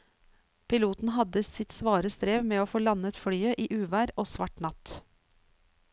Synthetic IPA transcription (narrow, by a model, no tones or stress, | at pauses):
pʰɪluːt̪n̩ɦɑd̪əsɪt̪sʋɑːɾəst̪ɾeːʋmeːoːfoːlɑnət̪fɽyːəʔiːʔʉːʋæːɾoːsʋɑʈnɑt̪